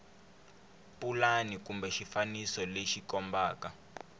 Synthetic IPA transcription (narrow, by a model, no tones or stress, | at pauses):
pʼulanikumbɛʃifanisɔleʃikɔmbaːka